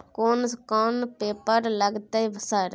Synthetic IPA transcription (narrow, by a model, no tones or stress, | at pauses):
koːnskɔːnpeːpəɾlɐɡt̪aibəsaɾ